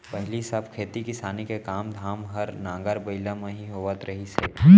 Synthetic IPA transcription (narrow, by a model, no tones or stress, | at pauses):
pɐɦɪlisəbkʰeːt̪ikɪsaːnikekaːmd̪ʱaːmɦɐɾnãːŋɡəɾbəɪlamẽɦiɦoːʋət̪ɾɐɦisḛː